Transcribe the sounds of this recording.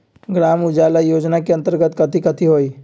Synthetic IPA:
ɡɾamud͡ʒaləjoːd͡ʒnakeənt̪əɾɡət̪kət̪ʰikət̪ʰiɦoi

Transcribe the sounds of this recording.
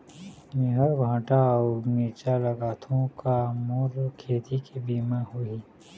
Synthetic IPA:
miɦəɾbʱãːʈaɔːɾmiːt͡ʃalɐɡaːt̪ʰõkamoːɾkʰeːt̪ikebiːmãhui

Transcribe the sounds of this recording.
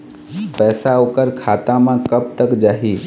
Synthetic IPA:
pɛːsaokəɾkʰaːt̪ãmãkəb̚t̪əkd͡ʒaːɦiː

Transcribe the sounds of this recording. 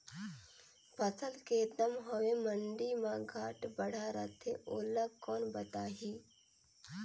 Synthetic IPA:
pɐt͡sʰəlket̪ɐmɦoʋeməɳɖiːmãɡʱaːʈbɐɽ̤aːɾat̪ʰḛ̃ʔoːlaɡkɔːnbɐt̪aːɦiː

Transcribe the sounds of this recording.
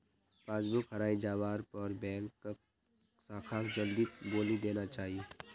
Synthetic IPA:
paːd͡ʒbʊkɦɐɾaːid͡ʒaːʋaːɾpɔːɾbɛ̃ːŋkːa | saːkʰaːkd͡ʒɐld̪iboːlid̪eːnat͡ʃaːɦieː

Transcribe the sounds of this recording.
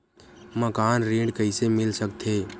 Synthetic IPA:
məkaːnɾẽːɖkəɪsemɪlsəkt̪ʰe

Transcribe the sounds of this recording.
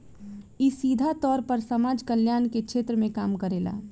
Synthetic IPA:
isiːd̪ʱat̪ɔːɾpəɾsɐmaːd͡ʒkəljaːnkekʃʰeːt̪ɾəmẽkaːmkəɾeːla̰ː

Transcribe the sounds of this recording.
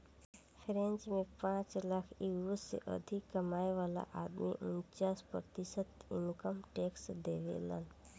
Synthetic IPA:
pʰɾẽnt͡ʃmẽpãːt͡ʃlakʰiusḛʔə̰d̪ʱikːəmaːjʋala̰ʔad̪mḭʔunt͡ʃaːspɾət̪isət̪ḭmkəmʈeksd̪eʋḛla̰n

